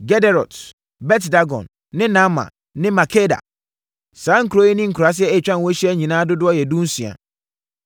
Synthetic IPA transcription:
ɡɛ˦dɛ˨ɾɔ˨t | bɛ˦tda˦ɡɔ̰̃˨nː | ɪ̃˦nã˦mã̰˨ | nɪ̃˦ma˨kʰe˦da̰˨ | sãː˨˦ŋ̩˦kʰu˨ɾo˦je˦nĩ˦ŋ̩˨kʰu˨ɾa˨s̬ɪ˦ɛ˦e˨t͡ɕᶣã˦n˨wɔ˦ɕi˦ɛ˦ɲĩ˨nãː˦dʊ˦dʊ˦ɔ˦jɛ˨dũ˦n̩˦si˨a̰˨

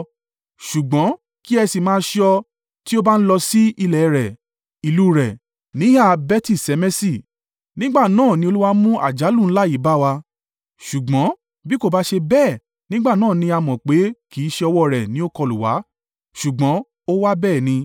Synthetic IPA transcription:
ʃu˨ɡ͡bɔ̃˨˦ | ki˦ɛ˧si˨mãː˦ʃɔ˧ | ti˦o˦ba˦n̩˦lɔ˧si˦i˧lɛ˨˦ɾɛ˨ | i˨lu˦ɾɛ˨ | nĩ˨˦a˦˨bɛ˦ti˦˨sɛ˨˧˦mɛ˦si˦˨ | nĩ˦ɡ͡ba˦˨nãː˦˨nĩ˧o˧lu˦wa˧˦mũ˦ʔa̰˦˨d͡ʒa˨˦lũ˦˨n̩˦la˦i˦˨˦ba˦wa˧ | ʃu˨ɡ͡bɔ̃˨˦ | bi˦ko˦˨ba˦ʃe˧bɛː˦˨ | nĩ˦ɡ͡ba˦˨nãː˦˨nĩ˧a˧mɔ̃˨k͡pe˨˦ki˨˦ʃe˧ɔ˧wɔ˦˨ɾɛ˨nĩ˨˦o˦kɔ˧lu˨wa̰˨˦ | ʃu˨ɡ͡bɔ̃˨˦ | o˦wa˦bɛː˦˨nĩ˧

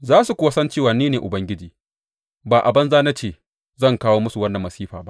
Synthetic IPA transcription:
zaː˦su˨kʷʊ˦wa˦sɐ˦nt͡ʃeː˦˨waː˨niː˦neː˨ʔʊ˨bɐ˦ŋɡʲɪ˦d͡ʒiː˨ | baː˨ʔa˨bɐ˦nzaː˦na˦t͡ʃeː˦˨ | zɐ˦˨ŋkaː˦woː˦mʊ˦su˨wɐ˦nːɐ˨mːɐ˨siː˦ɸaː˨ba̰˦ʔ

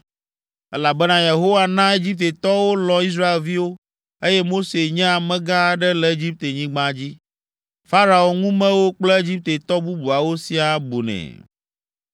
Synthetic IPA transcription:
ɛ˦la˨bɛ˦nã˦je˨ɦo˦wa˨nã˦e˦d͡ʑi˦p̚t̪e˨t̪ɔ˦wo˦lɔ̃˨i˦s̬ɾa˦e˨lvi˦wo˦ | e˦jɛ˦mo˦se˨ɲɛ̃˦a˨mɛ̃˦ɡã˦˨ɖɛ˦lɛ˨e˦d͡ʑi˦p̚t̪e˨ɲĩ˦ɡ͡bã˦d͡ʑi˦ | fa˦ɾa˨wo˨ŋũ˦mɛ̃˦wo˦k͡plɛ˦e˦d͡ʑi˦p̚t̪e˨t̪ɔ˦bu˦bu˨a˨wo˦si˦a˨bo˨nɛ̰̃˨

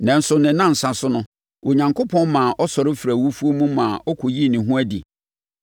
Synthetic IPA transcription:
nã˨n̩˦sʊ˨nɪ̃˨˦nã˦n̩˨sa˨sʊ˦nʊ̃˦ | ʔo˨ɲã˨ŋkʰo˦pʰɔ̃˦n˦mã˨ʔɔ˦sɔ˨ɾɪ˦fɾæ˨wu˦fu˦o˦mũ˦mãː˨ʔɔ˦kʰɔ˨ji˦˨nĩ˨ɦʊ̃˦æ˦dḭ˨

